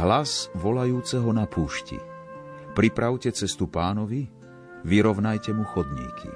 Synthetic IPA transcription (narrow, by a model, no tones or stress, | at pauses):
ɦlazʋɔlajuːt͡sɛɦɔnapʰuːʃcḭ | pɾipɾaʊcɛt͡sɛst̪upaːnɔʋi | ʋiɾɔʋnajcɛmuxɔd̪ɲḭkʰḭ